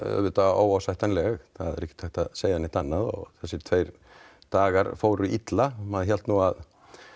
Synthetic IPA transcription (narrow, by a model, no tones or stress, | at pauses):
œ̰vʏt̪aoːwawsajht̪anlɛɣθaðɛ̰ɾɛhcːɪ̥t̪ʰajht̪aðseːjanɪht̪anːaðɔ̰ɣθɛsːɪt̪ʰveːjɾ̥ | t̪aːɣaɾfoːwɾʏʔit̪lamaðçjɛlt̪nuað